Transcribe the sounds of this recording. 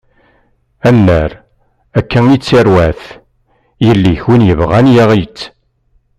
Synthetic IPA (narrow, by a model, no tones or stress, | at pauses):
ænːæɾ | ækːæŋit͡sːiɾwæθ | jəlːiçwinjəvʁænjæʁit͡sː